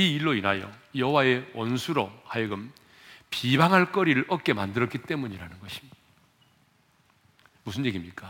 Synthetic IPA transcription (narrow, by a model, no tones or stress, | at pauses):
iiɭːoinɦajo̰jʌɦowae̞wʌnsʰuɾohajiɡɯm | pibaŋɦaɭk͈ʌɾiɾɯɭʔʌk͈e̞mandɯɾʌk͈it͈e̞muɲiɾanɯnɡʌɕʰi̥ | musʰɯnje̞ɡimɲik͈a